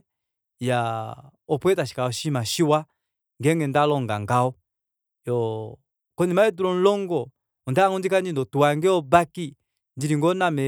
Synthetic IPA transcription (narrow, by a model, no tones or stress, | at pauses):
ja | ɔpwɛtaʃi̥kaɔʃimaʃiwa | ŋɡɛŋɛndalɔŋɡa̰ŋɡaɔ | jɔ | kɔnimaɛduɾɔn̩lɔŋɡɔ | ɔndaŋɔndikandindɔtuwaŋɡɛɔbaki | ndiɾiŋɡɔnamɛ